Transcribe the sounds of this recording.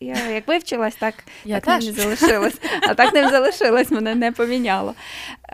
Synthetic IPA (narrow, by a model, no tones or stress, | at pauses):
jajɐkʋɪwt͡ʃɪlˠɐsʲt̪ɑkt̪ak̪nnʲizɐlˠɪʃɪlˠɐsʲɐt̪ɑknɛmʲzɐlˠɪʃɪlˠɐsʲmɛnɛnɛpɔmʲinʲɑlˠɔ̰